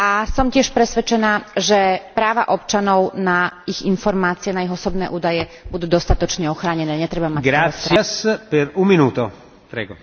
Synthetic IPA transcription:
ʔasɔmcɪɛʃpɾɛsʋɛt͡ʃɛnaːʒɛpɾaːʋa̰ʔɔp̚t͡ʃanɔʊnaiɣinfɔɾmaːt͡siɛnaiɣɔsɔbnɛ̰ːʔuːd̪ajɛbud̪uːd̪ɔst̪at̪ɔt͡ʃɲɛɔxɾaːɲɛnɛːɲɛt̪ɾɛbamac̚ɡɾasːiaspɛɾumminuːt̪o | pɾɛ̰ːɡɔ

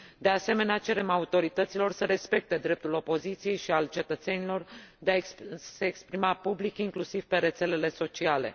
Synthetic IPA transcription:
d̪e̞ase̞me̞neat͡ʃe̞ɾe̞maut̪o̞ɾit̪ət̪silo̞rsəɾe̞spe̞k̚t̪e̞d̪ɾe̞p̚t̪ulo̞po̞zit̪sije̞jʃialt͡ʃe̞t̪ət̪se̞nilo̞rd̪easeːkspɾimapublikiŋklusiv̥pe̞ɾe̞t̪se̞le̞le̞so̞t͡ʃiale̞̰

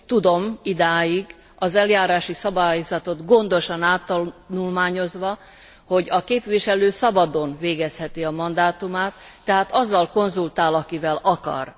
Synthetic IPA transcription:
t̪ud̪o̞mid̪aːjiɡ | ɒzɛljaːɾaːʃisɒbaːjozɒt̪o̞d̪ɡo̞nd̪o̞ʃɒnaːt̪ːɒnulmaːɲo̞zʋɒ | ho̞ɟɒkeːpʋiʃɛløːsɒbɒd̪o̞nveːɡɛshɛt̪iɒmɒnd̪aːt̪umaːt̪ːɛɦaːt̪ɒzːɒlko̞nzult̪aːlɒkivɛlɒkɒ̰r

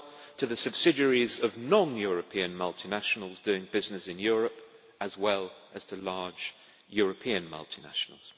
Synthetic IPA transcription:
tʰɨðɨsɨb̥sɪd͡ʒəɹizəvnɒ̃njɔɹəpʰĩə̃nmʌlˠtʰinaʃnəl̩ˠzdʉɪ̃ŋbɪznɨsɨ̃njɔɹəp | əzwɛlˠʔəz̥tʰəlɑ̥ːd͡ʒ | jɔɹəpʰĩɨə̃nmʌ̰lˠtʰina̰ʃnə̰l̩ˠz̥

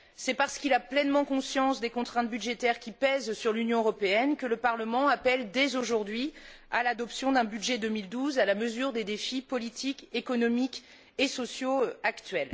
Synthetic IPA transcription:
sɛpaʁsə̥kilaplɛnmɑ̃kɔ̃sjɑ̃sd̪ekɔ̃t̪χɛ̃t̪byd̪ʒet̪ɛʁkʲipɛzsyʁlynjɔ̃øʁɔpeɛnkələpaʁləmɑ̃apɛld̪ɛzoʒuʁd̪ɥi | alad̪ɔpsjɔ̃d̪ɛ̃byd̪ʒɛd̪ømild̪uzalaməzyʁd̪ed̪efipɔlit̪ʰikekɔnɔmik | esɔsjoakt̪ɥɛl

